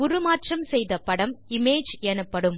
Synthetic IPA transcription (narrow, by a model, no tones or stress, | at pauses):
ʊɾɯmaːʈrɐmsɛjðɐpɐɽɐmɪmeːd͡ʒɛnɐpːɐɽɯm